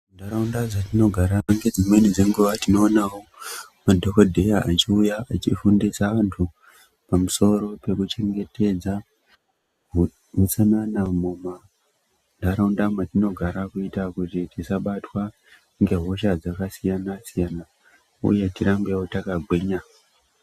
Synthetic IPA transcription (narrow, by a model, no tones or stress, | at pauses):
ndaɾaundad͡zatino̞ɡʱaɾaŋɡe̞d͡zimwe̞nid͡zeŋɡuʋatino̞ːnawomadʱo̞kodʱe̞jaat͡ʃiujaat͡ʃifundisaʋantʰu | pamuso̞ɾo̞pe̞kut͡ʃe̞ŋɡe̞te̞d͡za | ɦut͡sananamoma | ndaɾoundamatino̞ɡʱaɾakuitakutitisaɓatwa | ŋɡe̞ɦo̞ʃad͡zakasijanasijana | ṵje̞tiɾambewotakaɡʱeɲa